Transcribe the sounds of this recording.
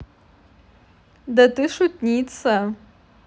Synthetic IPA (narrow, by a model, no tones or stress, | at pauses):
dɐtɨʂut̚nʲit͡sʰɐ